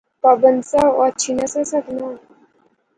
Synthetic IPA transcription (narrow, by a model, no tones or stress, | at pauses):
pabənt͡saʋat͡ɕʰinasasak̪na